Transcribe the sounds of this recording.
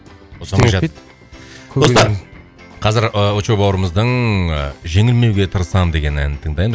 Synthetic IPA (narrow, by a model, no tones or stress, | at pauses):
osɑmʒɑ | d̪ʰo̞sɑɾ | qʰɑzɪɾəot͡ʃobɑwəɾəməzd̪əɴ | ʒe̞ŋɪlme̞wɡʲe̞t̪ʰəɾəsɑmd̪e̞ɡʲe̞næ̰nɪt̪ʰəŋd̪ɑjə